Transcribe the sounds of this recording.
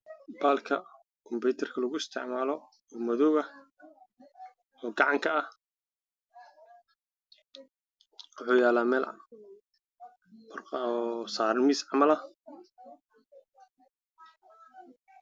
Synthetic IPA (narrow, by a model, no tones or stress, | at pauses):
b̥aːlkʰɐ̰ | kʰʊmbɛjt̪ʰɛrkʰɐlɐɣʊɪst̪ʰɪʕmaːlɔ | ɔːmɐðɔɣɐ | ɔːɡɑʕɑŋkʰɐɐh | wʊħuːjaːlaːmɛːl̰ | rsaːɾmiːsʕɑmɐlɐ